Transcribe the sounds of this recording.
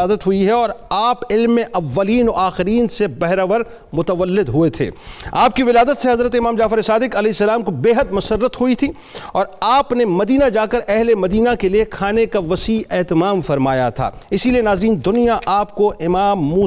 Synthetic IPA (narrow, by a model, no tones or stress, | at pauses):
aːd̪ət̪ɦʊiɦɛɔːɾaːpɪlmːẽʔɐʋːɐliːnɔaːxɪɾiːnsebɛɦɾaʋəɾ | mʊt̪əʋəlːɪd̪ɦʊet̪ʰḛːaːp̚kiʋɪlaːd̪ət̪seɦɐzɾət̪eɪmaːmd͡ʒaːfɪɾesaːd̪ɪkɐlɛːɪsːɐlaːmkobeːɦəd̪mʊsərːət̪ɦʊit̪ʰi | ɔːɾaːpnemɐd̪iːnad͡ʒaːkɐɾɛɦlemɐd̪iːnakeliekʰaːnekaʋɐsiːɛːɦt̪ɪmaːmfɐɾmaːjat̪ʰa̰ːɪsilienaːzɾiːnd̪ʊnijaʔaːpkoʔɪmaːmːuː